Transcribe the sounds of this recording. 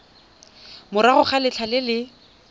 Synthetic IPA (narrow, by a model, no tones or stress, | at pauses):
mʊɾaχʊχalɪt͡ɬʰalɪlɪ